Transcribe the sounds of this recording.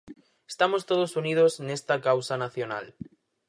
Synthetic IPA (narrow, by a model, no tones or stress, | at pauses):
est̪amost̪oð̞osunið̞osznest̪akawsanaθjona̰l